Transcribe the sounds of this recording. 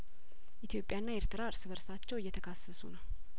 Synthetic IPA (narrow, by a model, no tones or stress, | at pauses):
ʔit̪jo̞pʼjanːaeɾt̪ʰɨɾaɾsɨβəɾsat͡ʃːɛwɨjːɛt̪ʰəkʰasːəsunəw